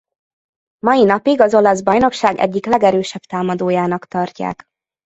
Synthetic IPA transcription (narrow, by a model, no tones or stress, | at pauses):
mɒjinɒpiɡɒzo̞lɒzbɒjno̞kʃaːɡɛ̰ɟːiklɛɡɛɾøːʃɛbt̪aːmɒd̪oːjaːnɒkt̪ɒrca̰ːk